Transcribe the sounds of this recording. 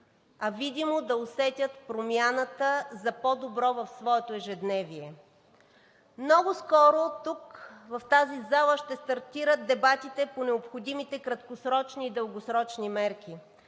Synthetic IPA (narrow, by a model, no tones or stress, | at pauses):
ɐvid̪imod̪ɐosɛt̪ʲət̪pɾomʲjanət̪əzɐpɔd̪obɾɔvɐfsvɔɛt̪oɛʒɛd̪nɛviɛ | mnɔɡʊskɔɾot̪ukvɐft̪azizalˠəʃt̪ɛst̪ɐɾt̪iɾət̪̚d̪ɛbat̪it̪ɛponɛopxod̪imit̪ɛkɾɐt̪kosɾɔt͡ʃniːd̪əlˠɡosɾɔt͡ʃnimɛɾkʲi